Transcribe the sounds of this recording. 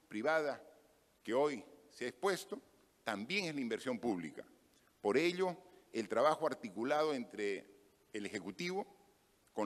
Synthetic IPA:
pɾiβað̞a | keojseaespwe̞st̪o̞ | t̪ambje̞ŋezlaimbeɾsjo̞mpuβlḭka̰ | po̞ɾe̞ʎo̞elt̪ɾaβaxoaɾt̪ikulað̞oent̪ɾeː | lexe̞kut̪iβo̞ | ko

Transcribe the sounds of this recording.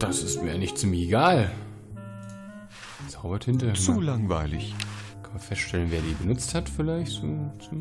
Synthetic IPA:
d̥asɪstmiːɐaɪnɪçtt͡siːmlɪçeɡaːl | t͡saʊbɐtʰɪntət͡sulaŋvaɪlɪ̰çkʰanmanfɛstʃtɛlənveːɐdiːbənʊt͡sthatfɪlaɪçtoːt͡su

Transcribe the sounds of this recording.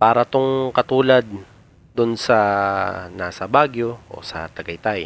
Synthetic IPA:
paːɾɐt̪oŋkɐt̪uːlɐd̪̚ | d̪ʊnsɐ | naːsɐbaːɡjo̞ʔo̰sɐ̰t̪ɐɡɐjt̪aj

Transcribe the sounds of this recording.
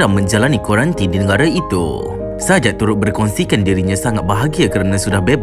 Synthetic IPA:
ɾamːə̃ɲd͡ʒalanikoɾant̪idinəɡaɾait̪ṵ | sad͡ʒat̪uɾʊt̪̚bərkɔnsikandiɾiɲãsaŋat̪̚baɦaɡiakəɾnãsudahbeb

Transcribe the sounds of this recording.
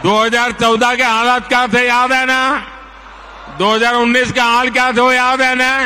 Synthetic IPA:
d̪oːɦəzaːɾt͡ʃɔʊd̪akeɦãːlaːt̪̚kjãːt̪ʰejaːd̪ɦɛːna | d̪oːɦəzaːɾʊnːiːskeɦãːlkjaːt̪ʰeojaːd̪ɦɛnaː

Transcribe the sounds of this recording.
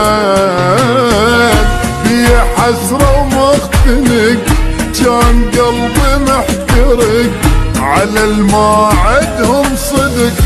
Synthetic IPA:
bɪjaħasɾˤɑwmʊxt̪ɪnɪkt͡ʃaːnɡɑlbimɪħkɑɾɪkʕalalmaːʕɪd̪hʊmsˤɨd̪k

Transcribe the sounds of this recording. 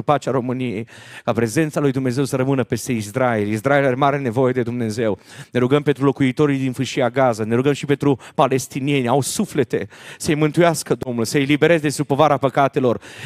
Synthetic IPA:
upat͡ʃaɾo̞mɨnije̞jkapɾe̞ze̞nt̪salujd̪umne̞ze̞wsəɾəmɨnəpe̞st̪e̞isɾaelis̬ɾaelaɾemaɾene̞vo̞je̞d̪e̞d̪umne̞ze̞wne̞ɾuɡəmpe̞nt̪ɾulo̞kuit̪o̞ɾijd̪infɨʃiaɡazane̞ɾuɡəmʃipe̞nt̪ɾupale̞st̪inie̞nʲawsufle̞t̪e̞səjmɨnt̪ujaskəd̪o̞mnulsəjelibe̞ɾe̞zed̪est̪ɾupo̞vaɾapəkat̪e̞lo̞r

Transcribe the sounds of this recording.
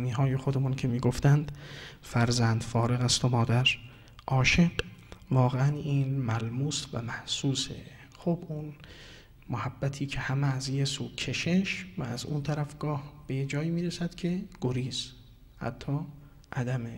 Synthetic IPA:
miːɦɒːje̞xo̞d̪emuːncʰe̞miːɡo̞ft̪ænd̪̥fæɾzænd̪fɒːɾe̞ɣæst̪omɒːd̪æɾ | ʔɒːʃe̞ɡvɒːɣeæniːnmælmuːsvæ̰mæhsuːsḛ | xobun | mohæbːæt̪ʰiːcʰe̞hæmeːzje̞suːkʰeʃe̞ʃvææzṵnt̪ʰæɾæfɡ̥ɒːhb̥e̞jed͡ʒɒːjiːmiːɾesæd̪̥cʰe̞ɡ̥oɾiːz | hæ̰t̪ʰːɒː | ʔæd̪æme

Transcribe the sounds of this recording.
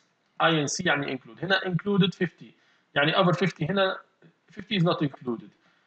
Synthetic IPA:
ʔajɛ̃nsijaʕniʔɪ̰̃nkluːd̪hɪnæʔɪ̃nkluːd̪ɪd̪̥fɪft̪i | jaʕniʔavəɾfɪft̪iɦɪnæ | fɪft̪iɪznɔt̪ɪ̃nkluːd̪ɪd̪̥

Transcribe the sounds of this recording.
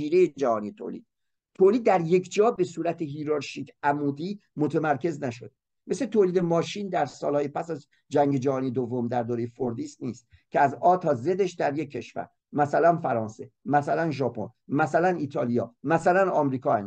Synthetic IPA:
iːɾejed͡ʒæhɒːnijet̪ʰo̰lḭːd̪̥ | t̪ʰoːliːd̪̚ːæɾje̞kʰd͡ʒɒːbe̞suːɾæt̪ʰeɦiːɾɑɾʃikʰæmuːd̪iːmot̪ʰemæɾcʰe̞znæʃod̪̚ | meset̪ʰoliːd̪emɒːʃiːnd̪æɾsɒ̰ːlhɒːjepʰæsæz | d͡ʒæŋɟe̞d͡ʒæhɒːnijed̪ovːo̞md̪æɾd̪oːɾejefoɾd̪iːst̪niːst̪̚ckʰeæzɒːt̪ʰɒːze̞d̪eʃd̪æɾje̞cʰːeʃvæ̰ɾ | mæsælænfæɾɒːnse̞mæsælænʒɒːpʰo̰nmæsælæniːt̪ʰɒːlijɒ̰ːmæsælænɒːmɾiːkʰɒːæn

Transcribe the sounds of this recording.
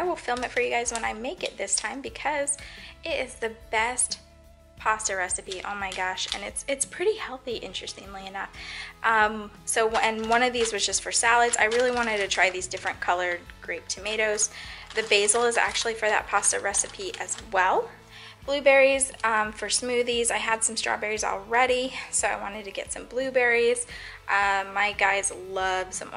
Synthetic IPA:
aɪwəlˠfɪlˠmɨtfə˞jɨɡaɪzwə̃naɪmeɪkɨ̰t̪̚ðɪstʰãɪ̃mbɨkʰʌzɪɾɪzðɨbɛst̚ | pʰɑstə˞ɹɛsɨpiʔo̰ʊmaɪɡɑʃɨ̰̃nɨtsɨtspʰɹ̥ɪɾihɛlˠθiʔɪ̃nt͡ʃɹ̥ɨstɪ̃ŋliɨnʌfʔʌ̃msoʊɨ̃nwʌ̃ñʌvðizwʌzd͡ʒʌstfə˞sælˠɨdz̥a̰ɪɹɪlˠiwɑ̃ɾ̃ɨd̚tɨtʰɹ̥aɪðizdɪfɹɨ̃nkʰʌlˠə˞d̚ɡ̥ɹeɪp̚tʰɨmeɪɾoʊz̥ðɨbeɪzl̩ˠəzæ̰k̚t͡ʃʉul̩ˠifə˞ðɨ̰t̚pʰɑsɨɹɛsɨpʰiʔɨzwɛlˠ | b̥lʉbɛɹiz̥ʌ̃mfə˞smʉðizaɪɨd̥sʌ̃mstɹ̥ɑ̰bɛɹiz̰l̩ˠɹɛɾisoʊaɪwɑ̃ñɨd̚tʰɨɡɛ̰tsʌ̃mblʉbɛɹiz̥ | ʔʌmaɪɡaɪzlʌv̥sʌ̰̃mw̰̃

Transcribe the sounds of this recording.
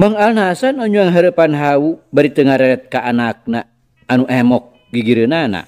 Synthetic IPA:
maŋalnasanɔɲuaŋɦaɾəpanɦaubaɾit̪əŋaɾɛɛt̪̚kaʔanak̚naː | nuʔɛmɔk̚ | ɡiɡiɾənana̰

